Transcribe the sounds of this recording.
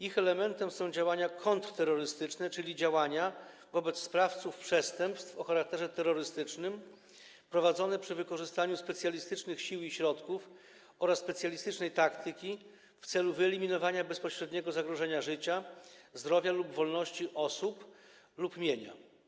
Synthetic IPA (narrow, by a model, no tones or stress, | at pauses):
ixɛlɛmɛnt̪ɛmsɔ̃w̃d͡ʑawaɲakʰɔnt̪ɾt̪ɛɾːɔɾɘst̪ɘt͡ʂnɛt͡ʂɘlʲid͡ʑawaɲa | vɔbɛt̪sspɾaft̪sufpʂɛst̪ɛmpst̪fɔxaɾak̚t̪ɛʐɛt̪ɛɾːɔɾɘst̪ɘt͡ʂnɘm | pɾɔvad̪zɔnɛpʂɘvɘkɔʐɘst̪aɲuspɛt̪sʲjalʲist̪ɘt͡ʂnɘxɕiwiɕɾɔt̪kuf | ɔɾasːpɛt̪sʲjalʲist̪ɘt͡ʂnɛjt̪akt̪ʰɘkʲi | ft̪sɛluvɘɛlʲimʲinɔvaɲabɛspɔɕɾɛd̪ɲɛɡɔzaɡɾɔʐɛɲaʐɘt͡ɕazd̪ɾɔvʲjalubvɔlnɔɕt͡ɕiʔɔsup | lupmʲjeɲa̰